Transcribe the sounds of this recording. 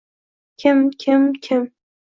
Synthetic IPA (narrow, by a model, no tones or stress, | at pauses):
kʲʰɪmkʲʰɪmkʲʰɪm